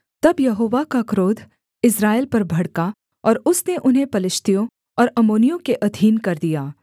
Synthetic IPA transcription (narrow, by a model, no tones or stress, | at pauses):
t̪ɐbjɐɦoːʋakakɾoːd̪ʱ | ɪsɾaːelpɐɾbʱɐɽka | ɔːɾʊsneʔʊnɦepɐlɪʃt̪ijõ | ɔːɾɐmoːnijõkeʔɐd̪ʱiːnkɐɾd̪ijaː